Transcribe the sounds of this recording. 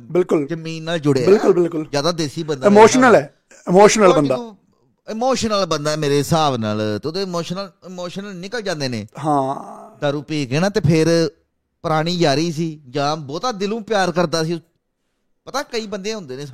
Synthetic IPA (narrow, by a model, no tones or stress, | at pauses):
bɪlkʊld͡ʒəmiːnaːld͡ʒʊɽeːbɪlkʊlbɪlkʊlzjaːd̪aːd̪eːsiːbənd̪aɪmoːʃnəlɛː | ɪmoːʃnəlːbənd̪aː | ɪmoːʃənəlbənd̪aːɛːmeːɾeːsaːʋna̰ːlt̪ːod̪eːmoːʃənəlɪmoːʃənəlnɪkəld͡ʒãːnd̪eːnẽːɦãːd̪aːɾuːpiːkeːnãːt̪eːpʰɪɾ | pəɾaːɽ̃iːd͡ʒaːɾiːs̬iːd͡ʒãːbɔːt̪aːd̪ɪlũːpɪjaːɾkəɾd̪aːsiː | pət̪aːkəiːbənd̪ẽːɦʊ̃nd̪eːnẽː